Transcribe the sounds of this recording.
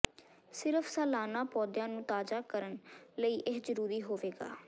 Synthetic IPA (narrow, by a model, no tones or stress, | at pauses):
sɪɾəfʰsɛːlaːnaːpɔːd̪jãːnũːt̪aːzaːkəɾənləiːʔeszəɾuːɾiːɦoːʋeːɡa̰ː